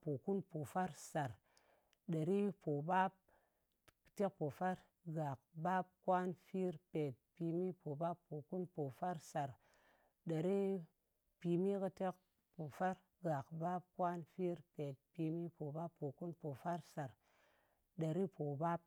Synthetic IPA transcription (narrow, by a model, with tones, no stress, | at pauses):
po˨ku˦npo˨fa˦ɾsa˨ɾ | ɗa˨ɾi˦po˨ba˦p̚ | kte˦k̚po˨fa˦ɾ | ɡa˨k̚ba˦p̚kwa˦nfi˦ɾpe˨t̚pi˧mi˦po˨ba˦pːo˨ku˦npo˨fa˦ɾsa˨ɾ | ɗa˨ɾi˦ | pi˧mi˦kɨ˧te˦k̚ | po˨fa˦ɾ | ɡa˨kba˦p̚kwa˦nfi˦ɾpe˨t̚pi˧mi˦po˨ba˦pːo˨ku˦npo˨fa˦ɾsa˨ɾ | ɗa˨ɾi˦po˨ba˦p̚